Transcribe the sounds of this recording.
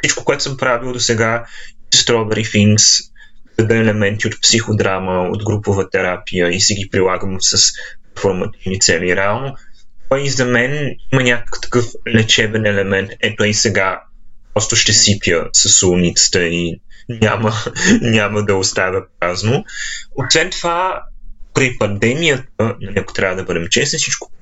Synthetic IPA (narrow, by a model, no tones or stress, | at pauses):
fsit͡ʃko̥koɛt̪ʊ̥səmpɾavilˠd̪osɛɡaisst̪ɾɔbɛɾifiŋks | d̪̥ɐd̪əɛlɛmɛnt̪iot̪̚psixod̪ɾaməo̰d̪ɡɾupovət̪ɛɾapijəisɛɡipɾilˠaɡəmsəspɛɾfoɾmɐt̪ivnit̪sɛliɾɛalˠnot̪ɔizɐmɛnimənʲakə̥kt̪ɐ̥kɤflɛt͡ʃɛbɛnɛlɛmɛnt̪ɛt̪ɔisɛɡa | pɾɔst̪ʊʃt̪ɛsipjəsɐsulˠnʲit̪sə̥t̪əinʲamənʲaməd̪ɐost̪avʲɐpaznoosvɛnt̪ova | pɾipɐnd̪ɛmijət̪̚ənɐnʲɛko̥t̪ɾʲavəd̪ɐbɤd̪ɛmt͡ʃɛsnisit͡ʃkʊ̥